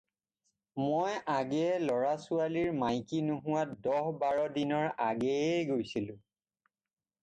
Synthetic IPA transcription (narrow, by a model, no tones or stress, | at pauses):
mojʔaɡɛɛlɔɹasʊaliɹmajkinuɦʊ̃wadɔɦbaɹɔdinɔɹaɡɛɡojsilʊ̃